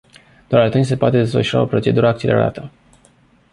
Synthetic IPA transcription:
d̪̥oaɾalt̪enʲse̞poat̪ed̪e̞svəʃuɾa̰o̞pɾo̞t͡ʃe̞d̪uɾəak̚t͡ʃelʔḛɾa̰t̪ə

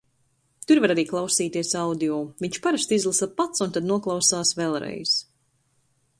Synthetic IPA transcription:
t̪uɾvaɾaɾiːklˠawsiːt̪iɛsawd̪ijɔːviɲt͡ʃpaɾast̪izlˠisapat̪sunt̪ad̪nuɔklˠawsaːsvɛlˠɾɛ̰jz̥

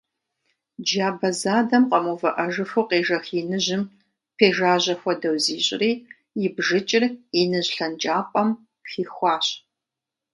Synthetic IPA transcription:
d͡ʒaːbɐzaːdɐmqɐmuːvɐʔɐʒɨfʊqeːʒɐxiːnɨʑɪm | pʰeːʒaːʑɐxʷɔdɐwziːɕʼɪriː | jɪbʒɨt͡ʃʼɪrinɨʑɬɐnt͡ʃʼaːpʼɐm | xiːxʷɑːɕʼ

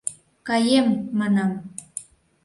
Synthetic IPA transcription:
kɑjemːɑnɑm

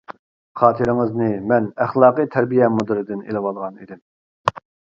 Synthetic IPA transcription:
χʰɑːt̪ʰɨɾɪŋɨznɨmɛnæχlˠɑːqɨt̪ʰæɾbijɛmud̪ɨɾɨd̪ɪnḛlɪwɑlˠʁɑnid̪ɪm

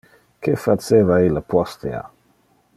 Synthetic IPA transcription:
kʰefat͡sevailapʰɔst̪ea̰

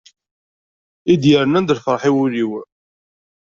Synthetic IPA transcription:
id̪jəɾnænd̪əlfəɾˤħiwʊliw

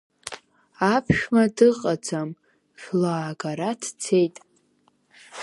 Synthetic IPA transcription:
apʰʃmadɨqʼad͡zam | ʃᶣlaːɡaɾadʰt͡sʰe̞jtʼ

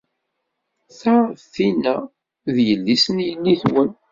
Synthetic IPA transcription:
θaθinæ | ðjəlːisənjənːiθwən

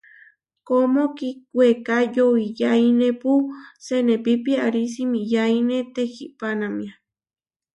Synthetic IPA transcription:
komokik̚wekajoijajnepusenẽpipiaaɾis̬imĩjainet̪ehiʔpanamĩa

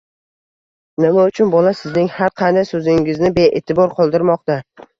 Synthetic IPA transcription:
nɪmaʊt͡ʃʰʊnbɒlasɪznɪŋhaɾqʰɑnd̪ajsɵzɪŋɪznɪbe̞ʔḛt̪ʰɪbɒɾqʰɒlˠd̪ɪɾmɒq̚t̪a

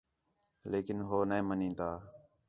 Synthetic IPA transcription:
leːkɪnɦoːnẽːmənĩːt̪aː

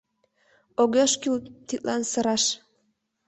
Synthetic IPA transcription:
oɣeʃkylt̪it̪lɑnsɤ̆ɾɑʃ

